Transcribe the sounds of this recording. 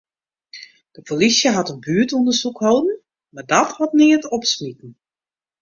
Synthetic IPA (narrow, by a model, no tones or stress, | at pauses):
d̥əpʰolisjəɦatənbyːətondəsukhowdn̩ | madɔthɔtnɪətɔpsmitn̩